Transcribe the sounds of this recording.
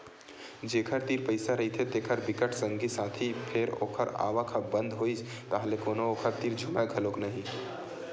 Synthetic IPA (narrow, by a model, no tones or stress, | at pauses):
d͡ʒeːkʰəɾt̪iːɾpəɪsaɾɐɦit̪ʰet̪eːkʰəɾbɪkəʈʰsə̃ŋɡisãːt̪ʰipʰɪɾo̰ːkʰəɾa̰ːʋakʰɐbə̃nd̪ɦoːist̪aːɦlekoːnooːkʰəɾt̪iːɾd͡ʒʱʊmaɡʱɐlõːknɐɦĩ